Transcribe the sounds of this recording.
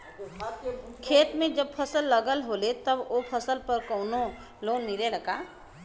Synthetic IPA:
kʰeːt̪mẽd͡ʒəb̚pʰəsəlːəɡəlɦoːlet̪əboːpʰəsəlpəɾkoʊno | loːnmiɾeləɡaː

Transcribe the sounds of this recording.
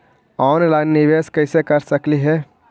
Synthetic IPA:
ɔːnlaɪnːɪʋeːskɐɪsekɐɾsəkliɦɛː

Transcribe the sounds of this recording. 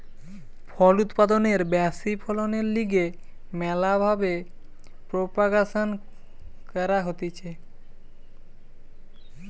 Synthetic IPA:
pʰɔlut̪pad̪oneɾbɛsipʰɔloneɾliɡe | mɛlabʱabe | pɾopaɡason | kɛɾaɦot̪it͡ɕʰe

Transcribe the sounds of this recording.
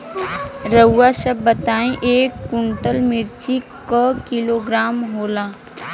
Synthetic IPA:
ɾəːaʃəbːət̪aːĩʔeːkːʊ̃ɳʈəlmɪɾt͡ʃikakɪloːɡɾaːmɦoːlaː

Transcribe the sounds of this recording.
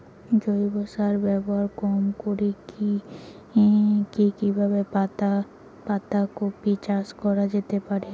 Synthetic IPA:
d͡ʒojbɔsaɾbɛbɔɦaɾkɔmkoɾiki | kikibʱabepat̪a | pat̪akopit͡ʃaskɔɾad͡ʒet̪epaɾe

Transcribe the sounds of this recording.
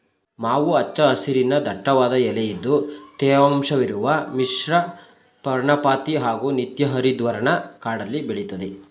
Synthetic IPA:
maːʋuɐt͡ʃːɐɐsiɾinɐd̪ʱɐʈːɐʋaːd̪ɐɛlɛjid̪ːut̪ɛːʋɐmʂɐʋiɾuʋɐmiʂɾɐ | pɐɾɳɐpaːt̪iɦaːɡunit̪jɐɦɐɾid̪ʋɐɾɐɳɐkaːɽɐlːibeɭit̪ɐd̪e

